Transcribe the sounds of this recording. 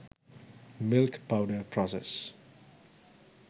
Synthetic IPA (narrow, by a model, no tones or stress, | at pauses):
mɪlkpawdəpʰɹɔsɛ̰s